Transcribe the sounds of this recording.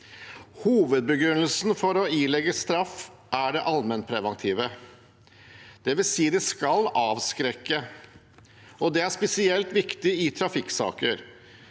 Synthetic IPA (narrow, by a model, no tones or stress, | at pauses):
huːʋəd̪̚bəɡɾʉnːəlsn̩fɔɾɔiːlɛɡəst̪ɾɑf | æɖɛʔɑlmɛnt̪̚pʰɾɛʋɑnt̪ʰiːʋə | d̪̥ɛʋɪlsiːd̪ɛskɑlɑːʋskɾɛkːə | ɔd̪ɛæʂpɛsɪɛlt̪ʋɪkt̪ɪɪt̪ʰɾɑfɪksɑ̰ːkəɾ